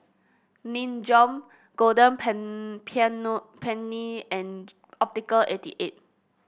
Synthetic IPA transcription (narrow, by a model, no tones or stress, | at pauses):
nĩnd͡ʒɔ̃m | ɡ̥odə̃npʰpʰɛ̃nːiɛ̃n | ɔp̚tikəlʔetḭʔet̚